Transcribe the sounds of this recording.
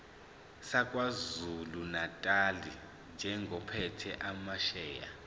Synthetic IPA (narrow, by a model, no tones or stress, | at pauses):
sakʼwazulunatʼali | nd͡ʒʱɛŋʱɔpʰɛtʰɛʔamaʃɛːja̰